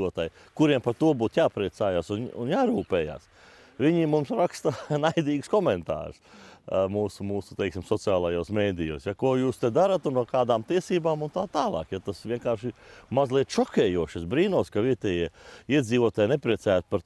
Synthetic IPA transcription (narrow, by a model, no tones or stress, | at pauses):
uɔt̪aːj | kuɾiɛmpaɾt̪uɔbuːt̪jaːpɾiɛt̪saːjaːsunṵnjaːɾuːpɛːja̰ːs | ʋiɲimumsɾakst̪ɐnajd̪iːɡskɔmɛnt̪a̰ːɾsmuːsumuːsu̥t̪ɛjksimsɔt̪sɨaːlˠajoːsmeːd̪ijo̰ːsjakuɔjuːst̪ɛd̪aɾat̪unpokaːd̪aːmt̪iɛsiːbaːmunt̪aːt̪aːlˠɑ̰ːkjat̪asʋʲiɛŋkaːɾʃɪmazlˠiɛt̪ʃɔkʲɛːjuɔʃɐsbɾiːnuɔskaʋiɛt̪ɛːjiɛiɛd̪ziːʋuɔt̪aːjnepɾiɛt̪sæːjat̪̚paɾ